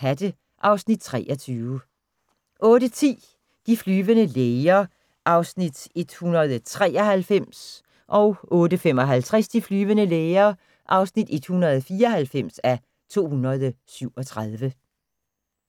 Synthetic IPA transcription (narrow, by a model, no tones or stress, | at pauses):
æd̥ə | ʔɑ̈ʊsnid̥̚t͡sʰʁɛ̰ːʔɒ̽t͡sʰyːʊə | ʔɔ̽ːɾət͡sʰḭː | d̥iflyːʋənəleːɪɐ | ʔɑ̈ʊsnid̥e̝d̥hunɐð̞̩ˠt͡sʰʁɛ̰ːɒhælfem̰s | ʔɒ̽ʊʔɔ̽ːdəfem̰ɒ̽ɦælt͡sʰʁɛsd̥iflyːʋənəleːɪɐː | ʔɑ̈ʊsnid̥e̝d̥hunɐð̞ˠfiːɐɒ̽hælfem̰sæ | t͡sʰo̝̰ːhunɐðˠsyʊ̰ɒ̽t͡sʰʁaðˠʋə